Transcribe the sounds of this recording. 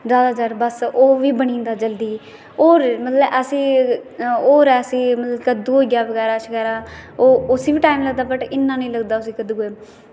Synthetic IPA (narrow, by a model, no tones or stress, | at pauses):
zjaːd̪aːd͡ʒəɾbəsoːʋiːbəɳ̃ĩːnd̪aːd͡ʒəld̪iː | oːɾmət̪ləbəsĩː | oːɾɛːəsĩːmət̪ləbkəd̪uːɡjaːʋəɡɛːɾaːt͡ʃəɡɛːɾaːoːʊsiːbiːʈaːimləɡd̪aːbəʈɪnːãːnəĩːləɡd̪aːʊsiːkəd̪uːe